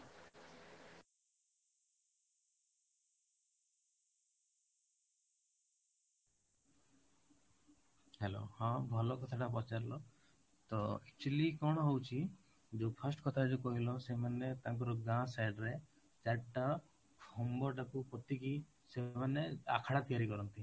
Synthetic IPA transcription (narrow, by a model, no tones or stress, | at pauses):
hɛlo̰hãbʱɔlɔkɔt̪ʰaʈap̬ɔt͡ʃaɾlɔ | t̪ɔɛk̚t͡ʃulikɔɽ̃ɔɦowt͡ʃʰi | d͡ʒepʰasʈkɔt̪ʰad͡ʒokɔɦilɔsemanet̪aŋkɔɾɔɡãsajɖɾe | d͡ʒaʈːa | fʰɔmbɔʈakupɔt̪iki | semanea̰kʰaɽat̪ijaɾikɔɾɔnt̪i